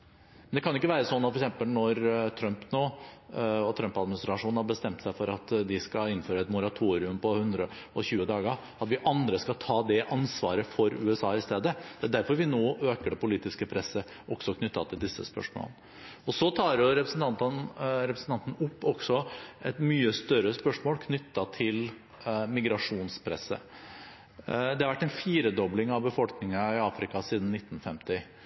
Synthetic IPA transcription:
mɛnd̪ɛkʰɑnjʊɪkːəʋæːɾəsɔnːɑt̪fɔɾksɛmpəlnɔɾt̪ʰɾœmpnoː | ɔt̪ʰɾœmpɑd̪mɪnɪst̪ɾɑʂuːnhɑɾbəst̪ɛmt̪sæɪfɔɾɑt̪d̪ɪskɑɪnføːɾəɛt̪mʊɾɑt̪ʰuːɾɪʉmpʰɔhʉnd̪ɾəɔçʉːəd̪ɑːɡ | ɑt̪ʋɪʔɑnd̪ɾəskɑt̪ʰɑːd̪ɛʔɑnsʋɑ̰ːɾəfɔɾʉ̰ːɛsɑːɪst̪eːd̪əd̪̥ɛæːd̪æɾfɔɾʋɪnoːʔøːkəɖɛpʊliːt̪ɪskəpʰɾɛsːə | ʔɔɡsɔkʰnʏt̪ːɑt̪ʰɪld̪ɪsːə̰spœ̰ʂmo̰ln | ɔsɔt̪ʰɑːɾjʊɾɛpɾəsn̩t̪ʰɑnt̪nɾɛpɾəsn̩t̪ɑnt̪n̩ʊpːɔɡ̥sɔʔɛt̪myːəst̪œɾəspœʂmoːlkʰnʏt̪ːɑt̪ʰɪl | mɪɡɾɑʂuːnspʰɾɛ̰sːə̰ | d̪ɛhɑɾʋæʈːɛɪnfiːɾəd̪ɔblɪŋɑʋbəfɔlknɪŋɑɪɑːfɾɪkɑsiːd̪n̩nɪt̪ːn̩fɛmt̪ɪ

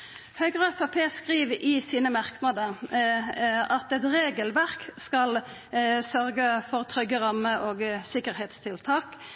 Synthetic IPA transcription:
hœʏɡʁəɛfɑpʰeːskʁiːʋɪsiːnəmɑʁknɑd̪ə | ɑt̪ɛt̪ʁeːɡəlʋæʁkskɑl | sœʁɡəfɔʁt̪ʰʁʏɡːəʁɑməʔoːɡsɪkəʁhɛːt̪st̪ʰɪlt̪ʰɑːk

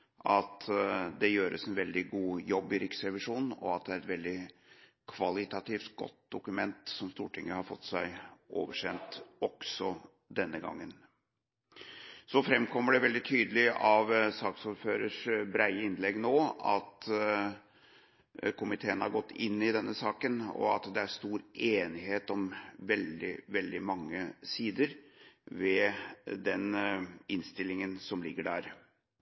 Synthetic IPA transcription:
ʔɑt̪d̪ɛjøːɾə̰sɛnʋɛld̪ɪɡuːjɔbːɪɾɪksɾɛʋɪʂuːnn̩ɔ̰ɑt̪̚d̪ɛæɾɛt̪ʋɛld̪ɪ | kʰʋɑlɪt̪ɑt̪iːft̪ɡɔ̰t̪̚d̪ʊkʉmɛnt̪sɔmst̪uːʈʰɪŋːəhɑɾfɔt̪ːsæɪʔo̰ːʋəʂɛnt̪ɔksɔ | d̪ɛnːəɡɑ̰ŋːən | sɔfɾɛmkʰɔmːəɖɛʋɛld̪ɪt̪ʰyːd̪əlɪɑʋsɑːksuɾføːɾəʂbɾæɪəɪnlɛɡnoːɑ̰t̪ | kʰʊmɪt̪ʰeːənhɑɾɡɔt̪ːɪnːɪd̪ɛnːəsɑːkənɔ̰ɑ̰t̪d̪ɛæʂt̪uːɾeːnɪɦeːt̪ɔmʋɛld̪ɪ̰ʋɛld̪ɪmɑŋːəsiːd̪əɾʋɛd̪ɛnɪnst̪ɪlːɪŋənsɔmlɪɡːəɖæːɾ

